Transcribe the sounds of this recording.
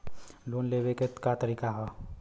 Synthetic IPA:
loːnleːʋeket̪kat̪əɾiːkaɦɔ

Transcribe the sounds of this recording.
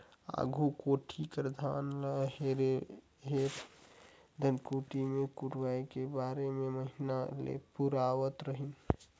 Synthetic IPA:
a̰ɡʱukoːʈʰikɾəd̪ʱaːnləɦeɾe | ɦeɾ | d̪ʱənkuʈimẽkuʈʋaikebaɾememəɦinalḛpuɾaʋət̪ɾəɦin

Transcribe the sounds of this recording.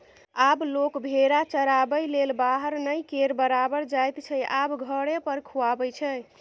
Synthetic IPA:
ablokbʱeɾat͡ʃəɾabəjlelbaɦəɾnəjkeɾbəɾabəɾd͡ʒajt̪t͡ʃʰɛʔabɡʱəɽepəɾkʰuabəjt͡ʃʰɛ

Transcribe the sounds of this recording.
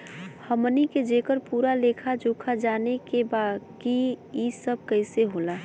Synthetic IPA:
həməniked͡ʒekəɾpuːɾalekʰad͡ʒoːkʰad͡ʒaːnekebakiisəb̚ʱkəɪseɦoːla

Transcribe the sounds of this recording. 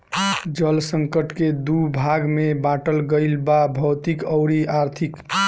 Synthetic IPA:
d͡ʒəlsəŋkəʈked̪ubʱaɡmebaʈəlɡəɪlbabʱəwt̪ikəʊɾiaɾt̪ʰik

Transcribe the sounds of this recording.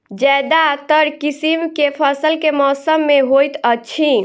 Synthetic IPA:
d͡ʒɛd̪at̪əɾkisimkepʰəsəlkemɔːsəmːeɦojt̪ət͡ʃʰi

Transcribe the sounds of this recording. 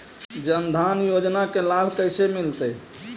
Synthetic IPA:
d͡ʒənd̪ʱanjod͡ʒnakelabʱkəjsemilt̪əj

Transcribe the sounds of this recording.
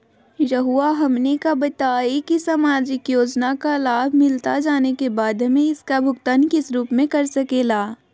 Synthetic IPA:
jɐɦuaɦɐmnekabɐt̪aːekisɐmaːd͡ʒɪkjoːd͡ʒnakalaːbʱmɪlt̪ad͡ʒaːnekebaːd̪ɦɐmẽɪskabʱʊɡt̪aːnkɪsɾuːpmẽkɐɾsɐkeːlaː

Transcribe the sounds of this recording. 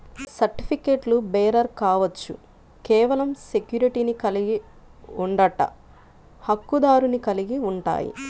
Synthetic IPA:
sɐɾʈipʰikeːʈlubɛːɾɐɾkaːʋɐt͡ʃːṵ | kɛːʋɐlɐmse̞kjuːɾiʈinikɐliɡi | uɳɖɐʈːɐ̰ | hɐkːud̪aːɾunikɐliɡiuɳʈa̰ːjḭ

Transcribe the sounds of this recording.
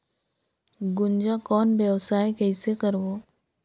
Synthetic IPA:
ɡʊnd͡ʒakɔːnbjəwsaːekɛːsekəɾboː

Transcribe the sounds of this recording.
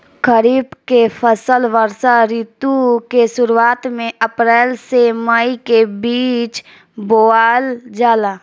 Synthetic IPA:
kəɾiːbkepʰəsəlʋəɾsaɾiːt̪ukesʊɾuaːt̪mẽəpɾɛːlseməikebiːt͡ʃ | boaːld͡ʒaːlaː

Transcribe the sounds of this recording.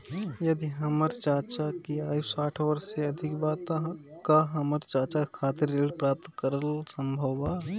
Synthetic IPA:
jɐd̪iɦəməɾt͡ʃaːt͡ʃakiaːjusaːʈʰʋəɾseɐd̪ʱɪkbaːt̪a | kaɦəməɾt͡ʃaːt͡ʃakʰaːt̪ɪɾːeːɖpɾaːp̚t̪kəɾəlsə̃mbʱəa

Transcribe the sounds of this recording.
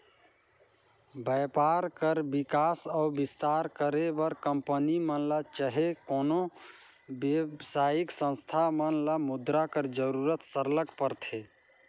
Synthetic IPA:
bəpaɾkəɾbikasaʊbist̪aɾkəɾebəɾkəmpənimənlat͡ʃəɦekono | bjebsajiksə̃nst̪ʰamənlamud̪ɾakəɾd͡ʒəɾuɾət̪səɾləkpəɾt̪ʰe

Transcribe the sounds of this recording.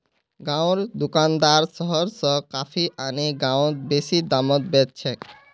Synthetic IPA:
ɡãwɾd̪ukand̪aɾsɔɦɔɾsɔkafʰiʔaniɡãwt̪̚beʃid̪amɔt̪̚bet̪̚t͡ɕʰe

